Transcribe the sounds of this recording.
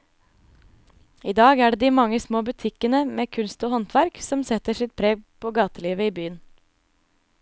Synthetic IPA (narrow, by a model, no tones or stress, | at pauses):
iːd̪ɑːɡæːɖeːd̪iːmɑŋəsmoːbʉt̪ʰɪkənəmeːkʰʉnst̪oːhɔnt̪ʰʋæɾksɔmsɛt̪əsɪt̪̚pʰɾeːɡ̚pʰoːɡɑːt̪əliːʋəiːbyːən